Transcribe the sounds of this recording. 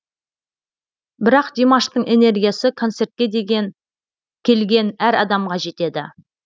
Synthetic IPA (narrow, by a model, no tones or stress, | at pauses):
bɪɾɑqd̪imaʃt̪əɴʔe̞ne̞rɡʲijasɪkʰo̞nt̪se̞rt̪̚kʲe̞d̪eɡʲn | kʲʰe̞lɡʲe̞næɾɑd̪ɑmʁɑʒe̞t̪e̞d̪ɪ